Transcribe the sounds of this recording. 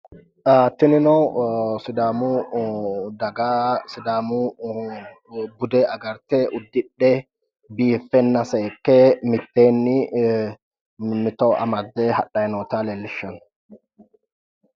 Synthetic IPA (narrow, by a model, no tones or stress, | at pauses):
aːt̪ːɪnɪnɔsɪd̪aːmu | d̪ɐɡaːsɪd̪aːmu | bʊd̪ɛːɐɡɐɾt̪ɛʔʊd̪ːɪᶑːɛ | biːfːɛnːɐseːkːeːmɪt̪ːeːnːɪ | mɪt̪oːʔɐ̰mɐd̪ːɛhɐɗɐjnoːt̪aːlɛlːɪʃːɐn